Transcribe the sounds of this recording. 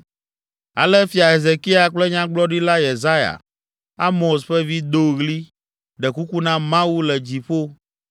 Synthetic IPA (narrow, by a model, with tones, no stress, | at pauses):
a̰˨lɛ˦fi˨a˨ɦe˨ze˨ki˦a˨k͡plɛ˦ɲã˦ɡ͡blɔ˦ɖi˦la˦je˨za˦ja̰˨ | a˦mõ˨s̬ɸɛ˦vi˦d̪o˦ɣli˦ | ɖɛ˨ku˦ku˦nã˦mã˦wu˦lɛ˨d͡ʑi˨ɸo˦